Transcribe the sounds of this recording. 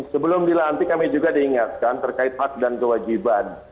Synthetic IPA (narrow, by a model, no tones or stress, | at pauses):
səbəlʊmdilant̪ikamid͡ʒuɡadiːŋat̪̚kant̪ərkaɪt̪̚hak̚dankəwad͡ʒiban